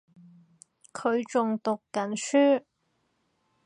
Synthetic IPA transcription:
kʰɵ˨˧ɥt͡sʊ˨ŋt̪ʊ˨kːɐ˨˥nsyː˥

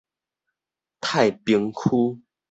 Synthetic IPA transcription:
t̪ʰa˥˨jpi˧ŋkʰu˦

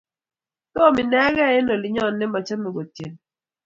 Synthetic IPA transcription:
tɔ˦˨mɪ˨nɛ˦ɣɛ˦ɛ˦nɔ˨lɪ˨ɲɔ˦˨nːɛ˦ma˨t͡ʃa˦me˨ɡo˨tje˨n

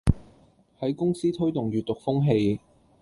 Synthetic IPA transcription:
hɐ˨˥jkʊ˥ŋsiː˥t̪ʰɵ˥ɥt̪ʊ˨˩ŋɥyː˨t̪̚t̪ːʊ˨k̚fʊ˥ŋɦe˧j

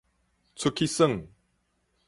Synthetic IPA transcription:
t͡sʰu˧kʰi˦sə˥˨ŋ

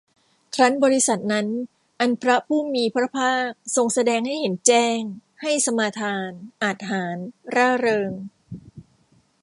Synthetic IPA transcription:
kʰɾa˦˥nbɔː˧ɾi˦˥sa˨˩t̪̚na˦˥n | ʔa˧npʰɾa˦˥pʰuː˥˩miː˧pʰɾa˦˥pʰaː˥˩k̚so˧ŋsa˧dɛː˧ŋha˥˩jhe˩˦nt͡ɕɛː˥˩ŋha˥˩jsa˧maː˧t̪ʰaː˧nʔa˨˩t̪̚ɦaː˩˦nɾaː˥˩ɾɤː˧ŋ

